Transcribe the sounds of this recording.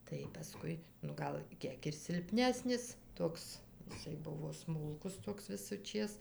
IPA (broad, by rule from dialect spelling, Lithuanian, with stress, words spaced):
tɐɪ pɐˈskʊɪ nʊ ˈɡɐlˠ ˈkʲiɛk ɪr sʲɪlʲˈpʲnʲæːsʲnʲɪs ˈtoːks ɪˈsɐɪ ˈbʊʋoː ˈsmʊlˠkʊs ˈtoːks ʋʲɪsʊˈt͡ʃʲeːs